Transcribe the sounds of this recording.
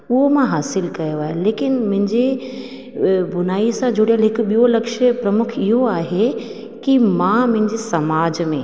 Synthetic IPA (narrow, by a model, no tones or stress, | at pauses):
ʊɦomãɦaːsɪlkɐjoaːɦeleːkɪnmʊ̃ɦɪ̃ɲd͡ʑe | bʊnaːisãd͡ʑoɽijəlɦɪkɓijolɐkʃəpɾɐmʊkʰɪɦoaːɦe | kimãmʊ̃ɦɪ̃ɲd͡ʑesɐmaːd͡ʑmẽː